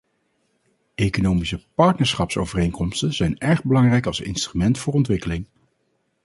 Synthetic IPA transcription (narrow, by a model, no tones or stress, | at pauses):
ejkonowmisəpɑɹtnəɹsχɑpso̰wvərejŋkɔmstənz̥ɛjnɛɹχbəlɑŋrɛjkɑlˠsɪ̰nstrymɛntfʊːɹɔntʋɪkəlɪŋ